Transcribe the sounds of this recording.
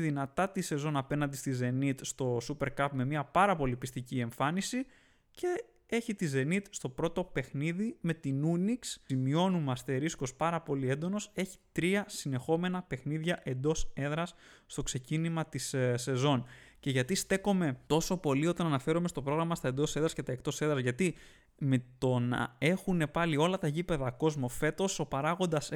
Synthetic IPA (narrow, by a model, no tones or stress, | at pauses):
ðinɐt̪ɐt̪ise̞zo̞nɐpe̞nɐnd̪ist̪ize̞nit̪st̪o̞supe̞ɾkɐpme̞miɐpɐɾɐpo̞lipist̪icie̞ɱfɐnisi | ce̞ | e̞çit̪ize̞nit̪st̪o̞pɾo̞t̪o̞pe̞xniðime̞t̪inuniksimio̞numɐst̪e̞ɾisko̞spɐɾɐpo̞lie̞nd̪o̞no̞se̞çi̥t̪ɾiɐsine̞xo̞me̞nɐpe̞xniðʝɐʔe̞nd̪o̞se̞ðɾɐsː | t̪o̞kse̞cinimɐt̪isse̞zo̞nce̞ʝɐt̪ist̪e̞ko̞me̞t̪o̞so̞po̞lio̞t̪ɐnɐnɐfe̞ɾomest̪o̞pɾo̞ɣɾɐmɐst̪ɐend̪o̞se̞ðɾɐscet̪ɐek̚t̪o̞se̞ðɾɐzʝɐt̪i | me̞t̪o̞nɐ̰e̞xune̞pɐlio̞lɐt̪ɐʝipe̞ðɐko̞zmofe̞t̪o̞so̞pɐɾɐɣond̪ɐs